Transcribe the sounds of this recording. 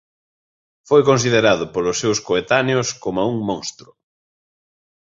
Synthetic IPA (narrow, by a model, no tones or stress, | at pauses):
fojkonsið̞eɾaðʊpolʊsːewskoet̪aneoskomauŋmõŋst̪ɾʊ